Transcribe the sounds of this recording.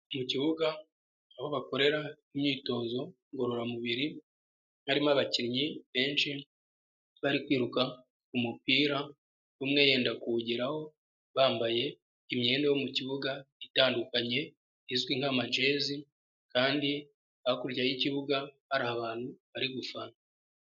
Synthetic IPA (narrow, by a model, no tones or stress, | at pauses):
muciβuɡaː | βo̞βako̞ɾe̞ɾa | imɲiːto̞ːzo̞ | ŋɡo̞ɾo̞ɾamuβiɾi | haɾimaβaciɾɲiβe̞ːnʃi | βaɾikwiːɾuka | kumupiːɾa | βumŋe̞je̞ːndakuɟiɾaho̞ | βaːmbaje̞ | imɲe̞ːndejomuciβuɡaitaːndukaɲe̞ | izɡwiŋ̥hamad͡ʒe̞ːzi | kaːndi | aakuɾɟajiciβuɡahaɾahaβaːn̥huβaɾiɡufana